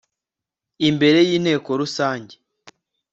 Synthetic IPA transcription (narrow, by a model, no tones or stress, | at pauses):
imbe̞ɾe̞jiːnhe̞ːko̞ɾusaːɲɟe